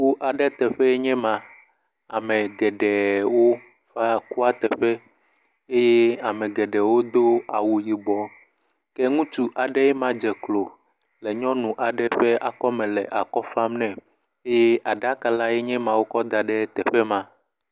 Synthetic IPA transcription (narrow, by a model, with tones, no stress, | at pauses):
ku˦ʔa˨ɖɛ˦t̪ɛ˨ɸɛ˦e˦ɲɛ̃˦mã˨ | a˨mɛ̃˨ɡɛ˨ɖɛ˨wo˦ | ɸa˦ku˦a˦t̪ɛ˨ɸɛ˦ | e˦je˦a˨mɛ̃˨ɡɛ˨ɖɛ˨wo˦d̪o˦a˨wu˨ji˨bɔ˨ | kɛ˦ŋũ˦t͡ʃu˦ʔa˨ɖɛ˦jɛ˦mã˦d͡ʒɛ˨klo˨ | lɛ˨ɲɔ̃˦nũ˨ʔa˨ɖɛ˦ɸɛ˦a˨kɔ˦mɛ̃˨lɛ˨ʔa˨kɔ˦fa˦mnɛ̃˨ | e˦je˦ʔa˨ɖa˦ka˨la˦je˦ɲɛ̃˦mã˨wo˦kɔ˦d̪a˨ɖɛ˦t̪ɛ˨ɸɛ˦mã˦